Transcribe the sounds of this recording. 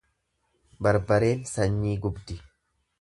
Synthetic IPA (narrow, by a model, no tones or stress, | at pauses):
bɐɾbɐɾe̞ːnsɐɲːiːɡʊbd̪ɪ